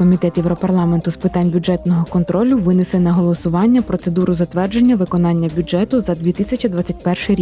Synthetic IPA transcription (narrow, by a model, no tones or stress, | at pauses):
kɔmʲit̪ɛt̪jɛwɾɔpɐrlˠɑment̪ʊspɪt̪ɑnʲbʲʊd͡ʒɛt̪nɔɦɔkɔnt̪ɾɔlʲʊʋɪnɪsɛnɐɦɔlˠɔsʊʋɑnʲːɐpɾɔt̪se̞d̪uɾʊzɐt̪ʋɛrd͡ʒenʲːɐʋɪkɔnɑnʲːɐbʲʊd͡ʒɛt̪ʊzɐd̪ʲʋʲit̪ɪsʲɐt͡ʃid̪ʋɑt͡sʲːɐtʲpɛrʃɪjɾʲi